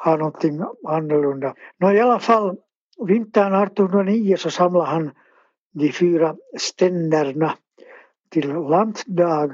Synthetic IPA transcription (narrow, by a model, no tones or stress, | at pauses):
hɑːnot̪ːinhɑnːelundɑnojɑlɑfɑl | ʋint̪ːɑːnɑrt̪ːuhnɑniːjɑsosɑmlɑhɑn | ɡifyːrɑst̪enːærnɑ | t̪illɑnt̪dɑːɡ